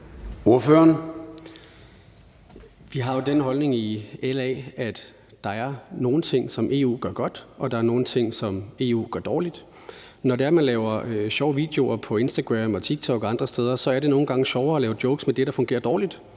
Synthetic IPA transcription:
o̝ɐføɐn | ʋiɦɑ̈jo̝d̥enɦɒ̽lne̝ŋielɛːæd̥ | d̥ɑ̈æɐno̝ːn̩t͡sʰe̝ŋ̰sɒ̽mʔe̝̰ːṵːɡ̥ɶɐɡ̥ɒ̽d̥ʔɒ̽d̥ɑ̈æɐno̝ːn̩t͡sʰe̝ŋ̰sɒ̽me̝̰ːṵːɡ̥ɶɐd̥ɒːlid̥ | nɒde̝æɐmænlɛːʊɐɕɒʊəʋḭd̥e̝o̝ɐpʰɒ̽e̝nsd̥æɡ̥ʁɛmɒ̽t͡sʰiɡ̥̚t͡sʰɒ̽ɡ̥ɒɑ̈nd̥ʁɐsd̥eːð̞ˠɐsɒ̽æɐɾe̝no̝ːn̩ɡ̥ɑ̈ŋəɕɒʊɐɒlɛːʊd̥joʊɡ̥smed̥e̝ɾ̥ɑ̈fɔ̽ŋɡe̝̰ːɐd̥ɒːlid̥

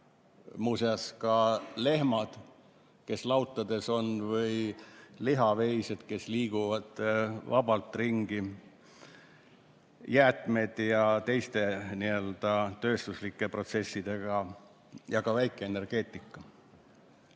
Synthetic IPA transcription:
museɑskɑle̞hmɑd̪̥ | ke̞slɑwt̪ˑːɑd̪̥e̞so̞nvɤjliɦɑvejsed̪̥ke̞sliːɡ̥uvɑd̪̥vɑbɑlt̪ˑriŋɡ̥i | jæːt̪ˑme̞d̪̥jɑt̪e̞jst̪e̞niø̞ld̪̥ɑt̪ø̞ːst̪uslikˑːe̞pro̞t̪se̞sːid̪̥e̞ɡ̥ɑ | jɑkɑvæjkːˑe̞ene̞rɡ̥e̞ːt̪ːˑikːˑɑ

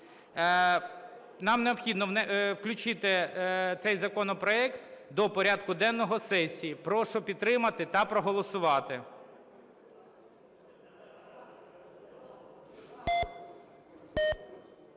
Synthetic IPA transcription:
nɑmneɔpxʲid̪nɔnɛwklʲʊt͡ʃɪt̪ɪt̪sɛjzɐkɔnɔpɾɔɛkt̪d̪ɔpɔɾʲɑd̪kʊd̪ɛnːɔɦɔsɛsʲijipɾɔʃɔpʲid̪̚t̪ɾɪmɐt̪ɪt̪ɑpɾɔɦɔlˠɔsʊʋɑt̪ɪ

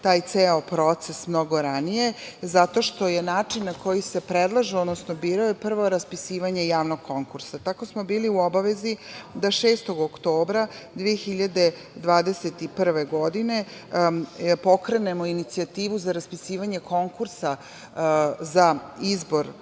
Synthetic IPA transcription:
t̪aːjt̪seːopɾot̪sesmno̞ɡo̞ɾanije̞zat̪o̞ʃt̪o̞je̞naːt͡ʂinːako̞jise̞pɾed̪lˠaʒiod̪nosnobiːɾajepr̩ʋo̞ɾaspisiːʋaɲe̞jaːʋnoɡ̚kʰo̞ŋkuɾsat̪ako̞smo̞biːliuobaʋe̞zid̪aʃeːst̪o̞ɡokt̪o̞ːbɾad̪ʋijexiʎad̪e̞ | d̪ʋaːd̪e̞set̪ipr̩ʋe̞ɡo̞d̪ine̞ | po̞kɾene̞mo̞init̪siat̪iːʋuzaɾaspisiːʋaɲe̞ko̞ŋkuɾsa | zaizbo̞ɾ

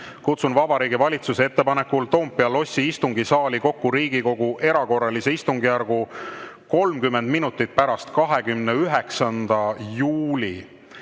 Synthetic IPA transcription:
kut̪sunvɑbɑɾiːɡivɑlʲit̪suseet̪ːe̞pɑne̞kːult̪o̞ːmpːˑiɑlo̞sʲːiist̪uŋɡisɑːliko̞kːuɾiːɡ̥iko̞ɡ̥uʔe̞ɾɑko̞rːɑlise̞ist̪uŋɡijærɡ̥u | ko̞lmkymːe̞nd̪minut̪ːˑit̪̚pæɾɑst̪kɑɦe̞ɡymneyɦeksɑnd̪̥ɑjuːlʲi

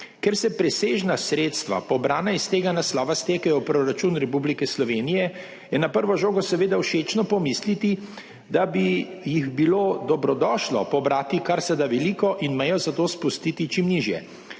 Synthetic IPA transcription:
kɛɾsɛpɾɛseʒnasɾeːt̪st̪ʋa̰pɔbɾaːnaist̪eːɡanaslaːʋast̪eːkɛjɔpɾoɾat͡ʃuːnɾɛpublikɛslɔʋeːnijɛ | jɛnapəɾʋɔʒoːɡɔsɛʋeːd̪awʃeːt͡ʃnɔpɔmislit̪i | d̪abijiɣbiloːd̪ɔbɾɔd̪ɔːʃlɔ̰pɔbɾaːt̪ikaɾsɛd̪aʋɛliːkɔʔinmɛjɔzat̪oːspust̪iːt̪it͡ʃimniʒjɛ̰

